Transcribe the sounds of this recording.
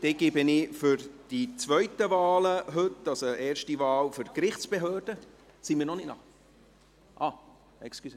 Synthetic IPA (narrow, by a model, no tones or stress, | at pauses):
d̥eːɡebənɪfʏɾd̥it͡sʋœɥtəvaːləɦɵtːɑlsoeːrʃtivɑːlførkɾɪχt͡ssb̥eɦøːrd̥ə | simɪːɾnɔnɪtnɑ̰χ | ʔɑː | ɛkskys